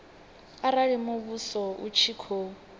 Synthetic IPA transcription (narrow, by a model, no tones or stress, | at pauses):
aɾaɺimoβusɔṵt͡ʃʰikʰo